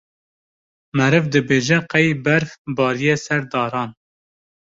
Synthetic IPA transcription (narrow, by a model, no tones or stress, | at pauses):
mɛɾɨvd̪ɨbeːʒɛqɛjbæɾfbɑːɾijeːsɛɾd̪ɑːɾɑːn